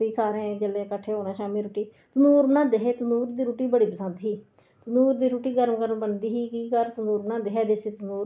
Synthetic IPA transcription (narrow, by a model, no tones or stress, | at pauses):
iːsaːɾẽːd͡ʒəleːkəʈʰːeːɦoːɽãːʃaːmiːɾuːʈiː | t̪ʊnuːɾnãːd̪eɦeːt̪ʊnuːɾd̪iːɾuːʈiːbəɽiːpəsə̃nd̪ɦiː | t̪ʊnuːɾd̪iːɾuːʈiːɡəɾəmkəɾmbənd̪iːɦiːkiːkəɾt̪ʊnuːɾnãːd̪eɦɛːd̪eseːt̪nuːɾ